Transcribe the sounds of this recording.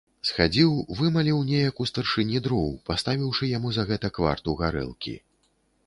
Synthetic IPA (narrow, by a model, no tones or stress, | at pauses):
sxad͡zʲiwvɨmalʲiwnʲejɐkust̪ɐrʂɨnʲid̪ɾɔwpast̪avʲiwʂɨjamuzɐɣɛt̪ɐkva̰rt̪uɣaɾɛ̰lˠkʲḭ